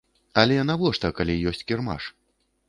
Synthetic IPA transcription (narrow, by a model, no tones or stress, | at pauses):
ɐlʲɛjanavɔʂt̪ɐkalʲijɔsʲt͡sʲkʲirma̰ʂ